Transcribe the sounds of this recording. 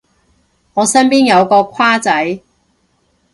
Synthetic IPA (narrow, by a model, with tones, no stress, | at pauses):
ŋɔː˨˧sɐ˥npiː˥njɐ˨˧wkɔː˧kʷʰaː˥t͡sɐ˨˥j